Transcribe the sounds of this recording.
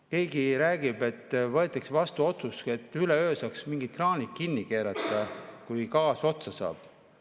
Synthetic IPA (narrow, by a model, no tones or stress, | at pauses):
ke̞ːɡiɾæːɡ̥ib̥e̞t̪ːvɤet̪ːˑeksvɑst̪uo̞t̪suse̞t̪ːˑyleøːsɑksmiŋɡ̥it̪rɑːnʲikːinːike̞ːɾɑt̪ːˑɑkujkɑːso̞t̪sɑsɑ̰ːb̥